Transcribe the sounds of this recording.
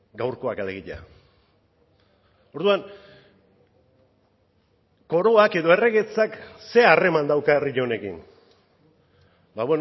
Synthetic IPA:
ɡawɾko̞akaleɣiʎa̰ | o̞ɾðuan | ko̞ɾo̞ake̞ðo̞e̞re̞ɣe̞t͡sakse̞are̞mand̪awkariʎo̞ne̞kḭn | baβwe̞n

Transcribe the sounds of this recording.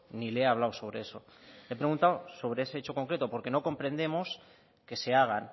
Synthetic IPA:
nileaβ̞lawso̞β̞ɾe̞e̞so̞ | epɾeɣũnt̪awso̞βɾeese̞et͡ʃo̞ko̞ŋkɾe̞t̪opo̞ɾke̞no̞ko̞mpɾe̞nd̪e̞mo̞s | ke̞se̞aɣ̞an

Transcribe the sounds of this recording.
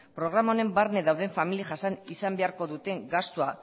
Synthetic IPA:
pɾo̞ɣɾamaone̞mbaɾne̞ðawðe̞ɱfamiliaʝasanisambe̞aɾko̞ðut̪e̞ŋɡast̪ua

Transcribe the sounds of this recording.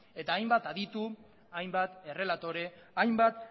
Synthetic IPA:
e̞t̪aːjmbat̪aðit̪u | ajmbat̪e̞re̞lat̪o̞ɾe̞ajmbat̪

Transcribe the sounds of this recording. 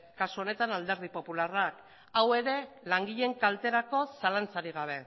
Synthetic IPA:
kasuo̞ne̞t̪anald̪e̞ɾð̞ipo̞pularak | awe̞ɾe̞ | laŋɡiʎe̞ŋkalt̪e̞ɾako̞salant͡saɾiɣ̞aβ̞e̞

